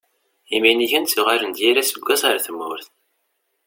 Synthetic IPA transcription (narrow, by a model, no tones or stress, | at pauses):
iminiçænt͡sːiʁaɾənd̪jiɾasəɡʷːæsaɾaθəmːʊɾθ